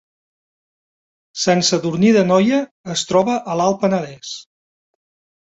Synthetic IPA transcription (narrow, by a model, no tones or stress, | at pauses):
sɛnsəðuɾniðənɔjəː | st̪ɾɔβəʔəlalˠpənəðɛs